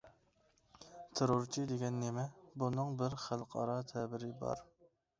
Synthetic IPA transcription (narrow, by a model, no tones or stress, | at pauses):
t̪ʰeɾoɾt͡ʃʰid̪eɡʲɛnːemɛbunɨŋbɪɾχælˠqʰɑ̰ɾɑt̪ʰɛbɪɾɪbɑ̰ɾ